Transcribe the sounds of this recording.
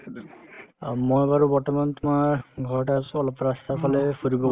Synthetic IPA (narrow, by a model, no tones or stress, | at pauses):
mojbaɾubɔɹtɔmant̪umaɹɡʱɔɹʈasuɔlɔpɾast̪ʰapʰalepʰuɾibɔ